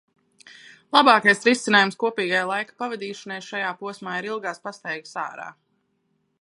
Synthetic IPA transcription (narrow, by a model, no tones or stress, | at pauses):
lˠabaːkajsɾisinaːjumskuɔpiːɡajlˠajkḁpavad̪iːʃɔnajʃajaːpuɔsmaːiɾilˠɡaːspast̪ɛjɡasa̰ːɾa̰ː